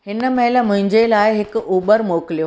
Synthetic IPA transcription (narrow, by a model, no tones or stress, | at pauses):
ɦhɪnə̆mɐɦɪlə̆mʊ̃ɦɪ̃ɲd͡ʑelaːɪɦɪkʊuːbəɾmoːkɪlijoː